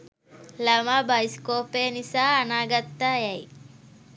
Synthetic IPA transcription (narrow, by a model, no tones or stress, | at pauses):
lamabajiskoːpeːnisaːnaːɡɐt̪ːajaj